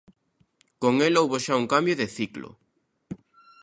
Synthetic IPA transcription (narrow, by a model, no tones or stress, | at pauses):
koŋelowβoʃauŋkambjoðeθiklo̰